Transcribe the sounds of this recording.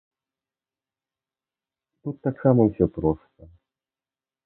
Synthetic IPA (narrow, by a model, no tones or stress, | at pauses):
t̪ut̪ːaksamɐwsʲɔpɾɔst̪ɐ